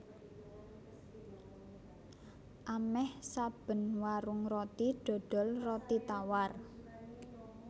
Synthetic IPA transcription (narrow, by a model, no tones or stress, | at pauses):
ʔamɛhsab̥ə̤nwaɾʊŋrɔt̪iɖ̥ɔ̤ɖ̪̥ɔ̤lrɔt̪it̪awar